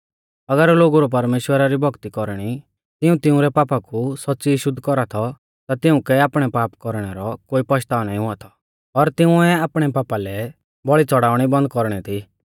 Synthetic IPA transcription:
ɐɡəɾloːɡuɾɔp̬ɐɾmeːʃwəɾaɾibʱɔɡt̪ikɔɾɽ̃i | t̪ɪũt̪ɪʊ̃ɾɛpaːpakusɔtːsiʃʊd̪ʱkɔɾat̪ʰɔ | t̪at̪ɪʊ̃kɛaːpɽ̃ɛpaːpkɔɾɽ̃ɛɾɔkoːipɔʃt̪aːʋnaːĩɦʊat̪ʰɔ̥ | ɔɾt̪ɪʊ̃ɛaːpɽ̃ɛpaːpalɛ | bɔɭit͡sɔɽaːʊɽ̃ibɐ̃nd̪̚kɔɾɽ̃ɛt̪ʰi

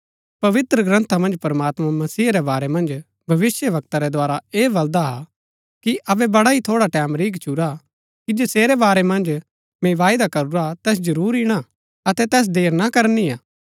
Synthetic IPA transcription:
pɐʋɪt̪ɾəɡɾə̃nt̪ʰamɐ̃nd͡ʒpɐɾmaːt̪mamɐsiːɾɛbaːɾɛmɐ̃nd͡ʒ | bʱɐʋɪsjəʋɐk̚t̪aɾɛd̪waːɾaeːbɐld̪aɦa̰ | kiʔɐbɛbɐɽait̪ʰoːɽaʈɛːmɾiːkt͡ʃʰuɾa | kid͡ʒeseːɾɛbaːɾɛmɐ̃nd͡ʒ | mɛ̃ʋaːjd̪akɐɾuɾat̪ɛːs̬d͡ʒɐɾuːɾiɽ̃a | ɐt̪ɛt̪ɛːs̬d̪eːɾnakɐɾniaː

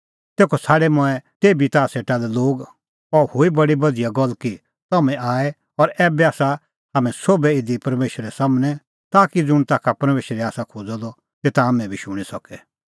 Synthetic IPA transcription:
t̪eːkʰɔsʰaːɽɛmɔɛt̪eːbit̪aːseːʈalɛloːɡ | ɔhoibɐɽibɐd̪ijaɡɔlːki | t̪ɐmɛ̃aːɛ | ɔɾɛːbɛaːsa | haːmɛ̃soːbɛɪd̪ipɐɾmeːʃəɾɛsaːmnɛ | t̪aːkid͡zʊɽ̃t̪aːkʰapɐɾmeːʃɾɛaːsakʰoːd͡zɔd̪ɔ | t̪eːt̪aamɛ̃bʱiʃʊɽ̃isɔkɛ

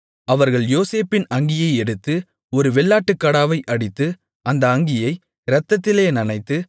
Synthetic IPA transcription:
ɐʋɐɾɣɐɭjoːseːpɪnɐŋɡɪjɐɪɛɽɯt̪ːɯ | ɔɾɯʋɛɭːaːʈːɯkːɐɽaːʋɐɪʔɐɽɪt̪ːɯ | ʔɐnd̪ɐːŋɡɪjɐɪ | ɾɐt̪ːɐt̪ːɪleːnɪnɐɪt̪ːɯ

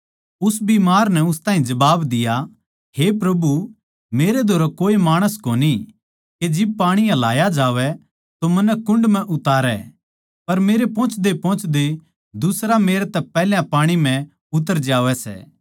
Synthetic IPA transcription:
ʊsbimaːɾnɛʊst̪ãːɦĩd͡ʒɐbaːbd̪ɪja | hepɾɐbu | meːɾed̪ʱoːɾakoːemaːɽ̃əskoːni | ked͡ʒɪb̚paːɽ̃ijãlaːjad͡ʒaːʋɛ | t̪omɐnɛkʊ̃ɳɖmɛ̃ʔʊt̪aːɾɛ̰ | pɐɾmeːɾepɔ̃ːt͡ʃʰd̪epɔ̃ːt͡ʃʰd̪e | d̪ʊsɾameːɾt̪ɛpɛːljãpaːɽ̃im̤ɛ̃ | ʊt̪̬ːəɾd͡ʒaːʋɛsɛ̰ː

